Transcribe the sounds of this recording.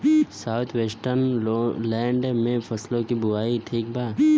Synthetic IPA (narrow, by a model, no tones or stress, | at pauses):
saːʊt̪ʰweːsʈəɾnlɛ̃ːɳɖmẽpʰəslõkibʊaːiʈʰiːk̚baː